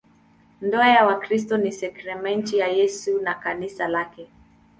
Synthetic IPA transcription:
ndɔajawakɾis̬tɔnisɛkɾɛmɛntijajɛsunakanisalakɛ

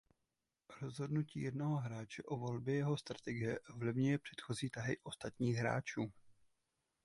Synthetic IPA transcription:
ɾo̞zɦo̞dnuciːjɛdno̞ɦo̞ɦɾaːt͡ʃɛʔovo̞lbjɛjɛɦo̞st̪ɾḁt̪ɛɡɪjɛʔovlɪvɲujɛpr̥ɛ̥t̪xo̞ziːt̪aɦɪ̰ʔo̞st̪at̪ɲiːɣɦɾa̰ːt͡ʃuː

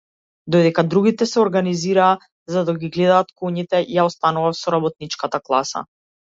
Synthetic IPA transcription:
d̪ɔjd̪ɛkad̪ɾuɡit̪ɛsɛɔɾɡaniziɾaː | zad̪aɡiɡlɛd̪aːt̪kuɲit̪ɛjaɔst̪anuvafsɔɾabɔt̪̚nit͡ʃkat̪aklˠasa̰

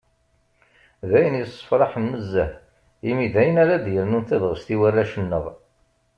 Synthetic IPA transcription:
ðæjənjəsˤːə̥fɾˤɑħənməzːəh | imiðæjənaɾad̪jəɾnunθæðʁəst̪iwərːæʃənːəʁ

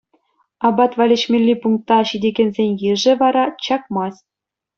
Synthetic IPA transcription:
ɑbɑt̪ʋɑlʲɘ̆ɕmʲelʲːipuŋk̚t̪ːɑɕidʲeɡʲenʲzʲenʲjɘʐɘ̆ʋɑɾɑt͡ɕɑkmɑsʲ

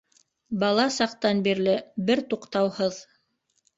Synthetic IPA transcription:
bɑlˠɑsɑqt̪ɑnbiɾlɘbɘɾt̪uqt̪ɑwhɤð

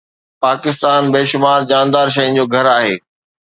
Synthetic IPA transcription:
paːkɪst̪aːnbeːʃʊmaːɾd͡ʑãːnd̪aːɾʃ̬ɐɪ̃nɪ̆d͡ʑoːɡʱɐɾaːɦḛː

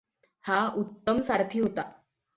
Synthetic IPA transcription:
haut̪ːəmsaɾt̪ʰiːɦot̪a

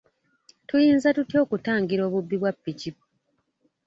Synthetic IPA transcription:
tujiːnzatutjo̞ːkutaːŋɡiɾo̞ːβubːiβwapːicipo̥

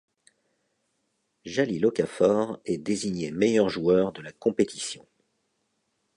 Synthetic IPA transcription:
ʒalilɔkafɔʁɛd̪eziɲemejœʁʒuœʁd̪əlakɔ̃pet̪ʰi̥sjɔ̰̃

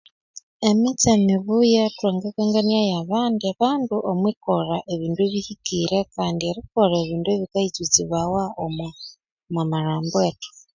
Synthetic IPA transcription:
emit͡semiβujatweːŋɡekeːŋɡaniajaβaːndiaβaːnduʔomwikoɾaʔe̞βiːndueβihikiɾe̞kaːndieɾikoɾeβiːndueβikait͡sut͡siβawaom | mamaɾaːmboeːto̥

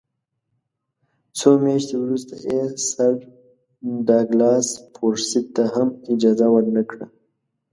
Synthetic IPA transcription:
t͡somjaʃt̪ewɾust̪a̰jesaɾ | ɖɑɡlɑspʰoɾsɪt̪ːaɦamɪd͡ʒɑzawəɾnakɽa

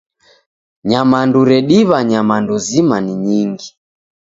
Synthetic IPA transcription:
ɲamanduɾɛɗiβaɲamanduzimaniɲiŋɡi

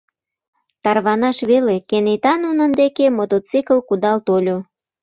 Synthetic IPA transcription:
t̪ɑrβɑnɑʃβelekenet̪ɑnunənd̪ekemot̪ot͡sikəlkud̪ɑlt̪olʲo

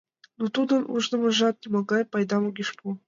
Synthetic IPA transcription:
nut̪ud̪ɤ̆nʔṵʐnɤ̆mɤ̆ʒɑt̪̚nʲimɑɡɑjpɑjd̪ɑmuɡʲiʃpu

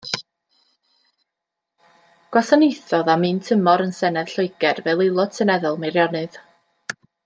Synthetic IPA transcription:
ɡ̥wasanejθɔðamɨːntʰəmɔɾənsɛnɛð̥ɬʊɨɡ̥ɛrvɛlˠejlˠɔd̥̚tʰənɛðɔlˠmeɾjɔnɨð

